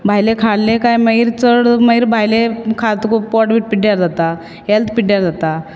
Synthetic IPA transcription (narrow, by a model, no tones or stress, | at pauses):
bʱajlekʰaɽlẽkajməiɾt͡səɽməiɾbʱajlekʰat̪kopɔʈbiːʈ̚piʈːjaɾd͡zat̪a | ɦelt̪ʰpiʈːjaɾd͡zat̪a